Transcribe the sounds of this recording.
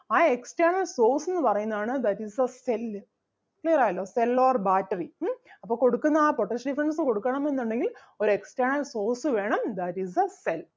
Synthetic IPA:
aːeksʈɐrɳɐlso̞ːrsenːɨpɐrɐjunːɐðaːɳɨd̪ɐtisɐsel | kliɐɾaːjɐlːoːselːoːrbaːtːɐriɐpːoːko̞ɽukːunːɐaːpoʈːɐʂɖifɾɐnsɨko̞ɽukːɐɳɐme̞nːuɳɖe̞ŋɡil | o̞ɾeksʈɐrɳɐlso̞ːrsɨʋe̞ːɳɐmd̪ɐtisɐsel

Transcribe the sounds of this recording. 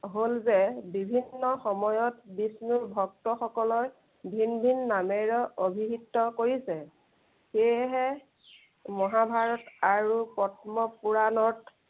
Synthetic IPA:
ɦolzɛbibʱinːɔxɔmɔjɔtbisnuɹbʱɔk̚tɔxɔkɔlɔj | bʱinbʱinːameɹɔʔobʱiɦitːɔkoɹisɛ | xeɦɛ | mɔɦabʱaɹɔtaɹupɔtʰmɔpuɹanɔt

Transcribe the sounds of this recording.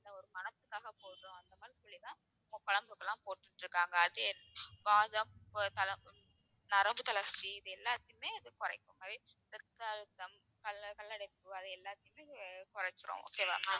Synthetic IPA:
ɪnd̪ɐɔɾɯmɐnɐt̪ːɯkːaːɣɐpoːʈɾõɐnd̪ɐmaːd̪ɾisɔɭːit̪ãː | ɐkɐɭɐmbɯkːɐlːãːpoːʈːɯʈːɾɯkːaːŋɡɐːðɯʋaːðɐmt̪ɐlɐ | nɐɾɐmbɯt̪ːɐlɐɾt͡ʃːiɪðɯɛlːaːt̪ːɪjmeːɐðɯkʊɾɐɪkːɯmaːdɾiɾɛt̪ːaːɻɯt̪ːɐm | kɐlkɐlːɐɽɐɪpːɯɐðɯɛlːaːt̪ːɪjɯmeːkʊɾɐt͡ʃːɯɾõ̰o̰ːkːeʋa̰ːma

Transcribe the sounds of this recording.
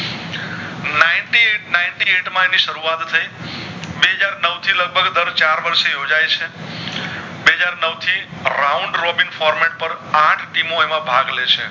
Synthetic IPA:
nainʈinainʈieʈmãeniʃəɾuat̪ʰːəibeɦəd͡ʒaɾnəwt̪ʰiləɡ̚bʱəɡd̪əɾt͡ʃaɾʋəɾʃejod͡ʒajt͡ʃʰe | beɦəd͡ʒaɾnəwt̪ʰiɾauɳɖɾobinfɔɾmeʈ̚pəɾãʈʰʈimoemãbʱaɡlet͡ʃʰḛ

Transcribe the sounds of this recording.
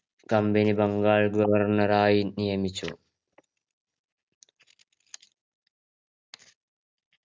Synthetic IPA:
kɐmbɛnɪbɐŋɡaːlɡɔʋɐɾnɐɾaːjinɪjɛmɪt͡ʃːʊ̰

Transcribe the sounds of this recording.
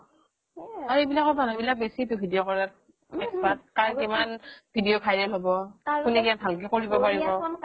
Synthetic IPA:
aɹejbilakɔbanɔbilak̚besitʊbʱidijokɔɹat̚ | ɛkspat̚kaɹimanbʱidijokʰajnɛlɦobɔkunɛkianbʱalk̬ɛkoɹibɔpaɹiɔ

